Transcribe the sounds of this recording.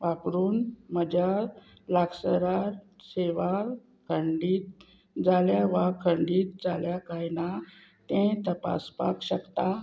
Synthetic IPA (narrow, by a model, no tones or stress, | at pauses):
ʋapɾuːnməd͡ʑa | laɡsəɾaɾseʋa | kʰəɳɖiːt̪̚ | d͡zaljaʋakʰəɳɖiːt̪̚d͡zaljakajna | t̪ẽt̪əpa̰spa̰kɕəkt̪a